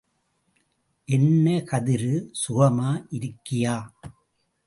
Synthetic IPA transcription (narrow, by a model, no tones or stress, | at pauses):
ʔɛnːɐkɐðɪɾɯsʊɣɐmaːʔɪɾɯkːɪjaː